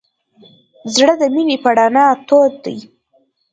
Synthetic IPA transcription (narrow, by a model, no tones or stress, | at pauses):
zɽəd̪əminepaɽɑnɑt̪od̪ːaj